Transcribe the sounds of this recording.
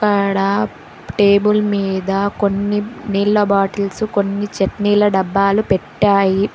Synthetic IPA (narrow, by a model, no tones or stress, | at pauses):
kɐɽɐ | ʈeːbulmiːd̪ɐko̞nːiniːlːɐbaːʈilsuko̞nːit͡ʃeʈniːlɐɖɐbːaːlupeʈːaːji